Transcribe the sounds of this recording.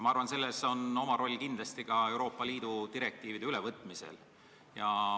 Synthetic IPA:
mɑɑrvɑnse̞lːeso̞no̞mɑɾo̞lʲːkind̪lɑst̪ikɑe̞wɾo̞ːpˑːɑliːd̪̥ud̪iɾe̞k̚t̪iːvid̪eylevɤt̪ːˑmise̞̰l | jɑ

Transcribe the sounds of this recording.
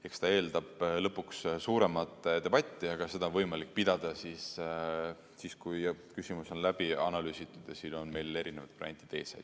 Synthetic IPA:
e̞kst̪ɑe̞ːld̪ɑb̥lɤpːˑukssuːɾe̞mɑt̪ːˑd̪̥e̞b̥ɑt̪ʲˑːiɑɡ̥ɑse̞d̪ɑonvɤjmɑlik̚ˑːpid̪̥ɑd̪̥ɑsiːs | siːskujkysimuso̞nlæb̥iɑnɑlyːsit̪ːˑud̪̥ɑsio̞nme̞jle̞ɾine̞vɑd̪̥pɑɾ̰ent̪id̪eːsɑ̰jd̪̥

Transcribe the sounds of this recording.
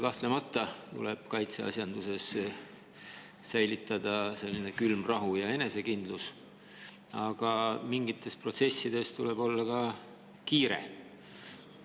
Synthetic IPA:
kɑht̪le̞mɑt̪ˑːɑt̪ṵleb̥kɑjt̪seɑ̰sʲjɑnd̪use̞s | æjlit̪ːˑɑd̪̥ɑse̞lʲːine̞kylmrɑɦujɑe̞ne̞se̞kind̪̥lus | ɑɡ̥ɑmiŋɡit̪ːˑe̞spro̞t̪se̞sːid̪̥e̞st̪ule̞b̥o̞lːɑkɑ | kiːɾe̞̰

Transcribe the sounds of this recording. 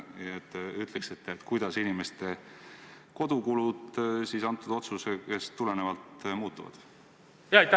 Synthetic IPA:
ɑet̪ːˑyt̪ˑleksit̪ːˑet̪ːˑkujd̪̥ɑsinime̞st̪e̞ | ko̞d̪̥ukulud̪sisɑnt̪ːˑud̪o̞t̪suseke̞st̪ule̞nevɑlt̪muːt̪ːˑuvɑ̰d̪̥ | jɑjt̪

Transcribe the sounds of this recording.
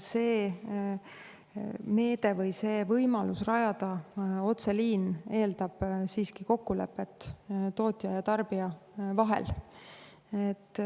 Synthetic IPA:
se̞ː | me̞ːd̪̥e̞vɤjse̞ːvɤjmɑlusrɑjɑd̪̥ɑo̞t̪se̞liːne̞ːld̪̥ɑb̥siːskiko̞kːule̞̰pːˑe̞t̪ːt̪o̞ːt̪ʲjɑjɑt̪ɑrb̥iɑvɑɦḛl | et̪ː

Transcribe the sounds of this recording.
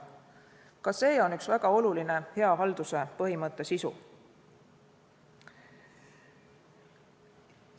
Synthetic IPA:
kɑse̞ːo̞nyksvæɡ̥ɑo̞luline̞he̞ɑɦɑld̪̥use̞pɤɦimɤt̪ˑːe̞sisṵ

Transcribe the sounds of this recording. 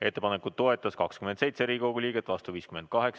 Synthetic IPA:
e̞t̪ːe̞pɑnekud̪t̪ːo̞e̞t̪ːˑɑskɑkskymend̪se̞jt̪se̞ɾiːko̞ɡ̥ulʲiːɡ̥et̪ːˑvɑst̪uviːskymed̪̥̚kɑɦe̞ks

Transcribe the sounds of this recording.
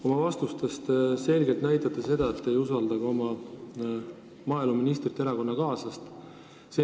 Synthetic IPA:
o̞mɑvɑst̪ust̪e̞st̪se̞lɡelt̪næjt̪ˑɑt̪ːˑɑse̞d̪̥ɑet̪ːe̞jusɑld̪ɑɡ̥o̞mɑ | mɑːeluminist̪rit̪ːˑeɾɑko̞nːɑkɑːsɑst̪ | se

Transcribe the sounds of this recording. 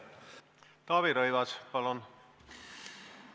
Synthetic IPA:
t̪ɑːβiɾojvɑspɑlon

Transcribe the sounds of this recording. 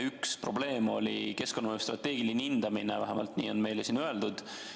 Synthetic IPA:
ykspro̞ble̞ːmo̞lʲike̞sko̞nːɑoust̪rɑt̪ːe̞ːɡ̥ilinind̪̥ɑminevæɦæmɑ̰lt̪nḭːo̞nme̞jlesinøe̞ld̪̥ud̪̥

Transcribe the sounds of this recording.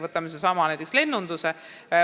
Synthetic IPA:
vɤt̪ːˑɑmis̬esɑmɑnæjt̪eksle̞nːund̪̥use

